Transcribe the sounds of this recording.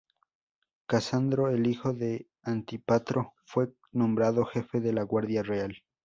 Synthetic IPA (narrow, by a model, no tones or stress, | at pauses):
kasand̪ɾoelixo̞ðe̞ | ant̪ipat̪ɾofwe̞ | nõ̞mbɾaðo̞xe̞fe̞ðe̞laɣwaɾðjareal